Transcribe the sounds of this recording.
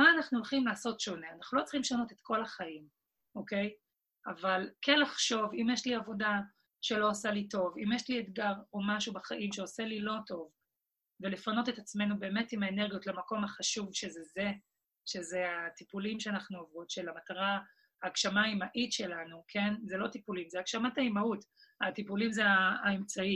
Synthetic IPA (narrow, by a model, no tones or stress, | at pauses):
maːnaχnuolχimlaːso̞tʃo̞neanaχnulo̞t͡sχimʃano̞tet̪ko̞laχaim | oke̞j | avalkʰenlaχʃo̞vimjɛʃliavo̞da | ʃe̞lo̞ːsalito̞vimjeʃlietɡaʁomaʃubaχaʔimʃeoselilo̞to̞v | vele̞fano̞tetat͡sme̞nube̞ːmetimhaeneʁɡijotlamako̞mhaχaʃuvʃe̞zeze | ʃe̞zeatipulimʃeanaχnuavʁotʃelamataʁa | aːkʃamaimaʔitʃelanukʰe̞nzelo̞tipulimzeakʃamataimautatipulimzeaːemt͡sai